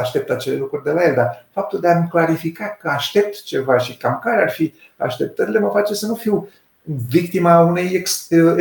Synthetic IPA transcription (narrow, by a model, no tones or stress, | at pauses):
aʃt̪e̞p̚t̪at͡ʃe̞le̞lukɾurʲd̪elaje̞ld̪arfap̚t̪uld̪eamklaɾifikatkəaʃt̪e̞p̚t̪t͡ʃe̞vaʃikamkaɾearfi | a̰ʃt̪e̞p̚t̪əɾile̞məfat͡ʃe̞sənufiw | vik̚t̪imaunejeks